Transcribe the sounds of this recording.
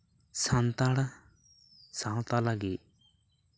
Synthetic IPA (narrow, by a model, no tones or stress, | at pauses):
sant̪aɽa | sãw̃t̪alaɡiʔ